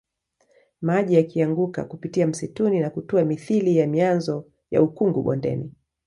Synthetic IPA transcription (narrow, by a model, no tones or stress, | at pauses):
maʄijakʰiaŋɡuka̰kupitiam̩situninakutuamiθilijamianzɔ | ja̰ukuŋɡuɓɔ̰ndɛ̰ni